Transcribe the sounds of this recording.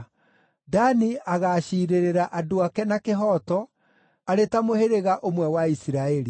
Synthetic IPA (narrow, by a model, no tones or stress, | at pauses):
daniaɣaːɕiːɾeɾeɾaʔadoakɛnakeɦɔtɔ | aɾetamoheɾeɣaʔomwɛwaisiɾaɛɾi